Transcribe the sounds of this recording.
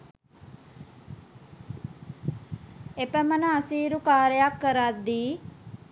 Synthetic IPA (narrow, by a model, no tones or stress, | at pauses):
epəmənəasiːɾukaːɾejakːəɾad̪ːiː